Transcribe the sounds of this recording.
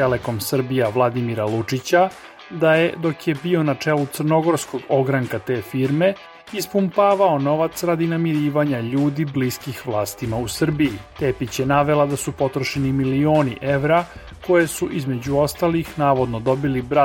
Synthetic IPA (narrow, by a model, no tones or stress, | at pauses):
t̪eleko̞msr̩bijaʋlˠad̪imiɾalut͡ʂit͡ɕa | d̪ajed̪o̞kje̞bio̞nat͡ʂeːlut̪srno̞ɡo̞ɾsko̞ɡo̞ɡɾaŋkat̪e̞ːfiɾme̞ | ispumpaːʋaono̞ʋat̪sɾad̪inamiɾiːʋaɲaʎuːd̪ibliskixʋlˠaːst̪imausr̩bijit̪e̞ːpit͡ɕjenaʋe̞lad̪asupo̞t̪ɾoʃenimilio̞ːnḭʔe̞ʋɾa | ko̞je̞suʔizme̞d͡ʑuo̞st̪alixnaːʋo̞d̪no̞d̪o̞bilibɾa